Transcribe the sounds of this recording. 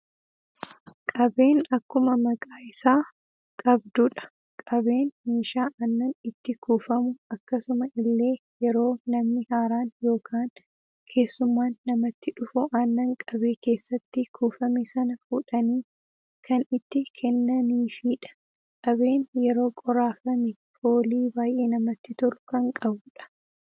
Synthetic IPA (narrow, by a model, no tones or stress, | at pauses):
kʼɐbeːnɐkːʊmɐmɐkʼaːʔɪsaː | kʼɐbd̪uᶑɐ̥ | kʼɐbe̞ːnmeːʃaːʔɐnːɐnɪt̪ːɪkuːfɐmʊɐkːɐsʊmɐʔɪlːe̞ː | jɛɾo̞ːnɐmnɪhaːɾaːnjo̞ːkʰaːn | kʰe̞ːsːʊmːaːnːɐmɐt̪ːɪᶑʊfʊʔanːɐŋkʼɐbe̞ːke̞ːsːɐt̪ːɪkuːfɐmɛsɐnɐfʊᶑɐniː | kʰɐnɪt̪ːɪkʰɛnːɐniːfiːᶑɐ̥ | kʼɐβe̞ːnjɛɾo̞ːkʼɔɾaːfɐmɛ | foːliːbaːjʔe̞ːnɐmɐt̪ːɪt̪ʊɾʊkɐŋkʼɐbʊᶑɐ̥